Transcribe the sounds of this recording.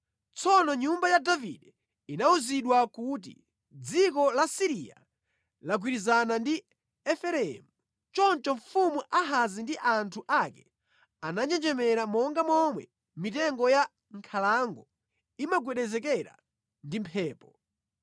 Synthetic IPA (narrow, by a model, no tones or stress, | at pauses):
t͡sɔnɔɲumbajadavḭɗɛ | inauziɗwakut̬ḭ | d͡zik̬ɔlasiɾia̰ | lak̬wiɾizanandi | ɛfɛɾɛɛmu | t͡ʃɔnt͡ʃɔɱfumuʔaɦazindiʔantʰuʔakɛ | anaɲd͡ʒɛnd͡ʒɛmɛɾamɔŋɡamɔmwɛ | mitɛŋɡɔja | ŋkʰalaŋɡɔ | imaɡwɛɗɛzɛkɛɾa̰ | ndimpʰɛːpɔ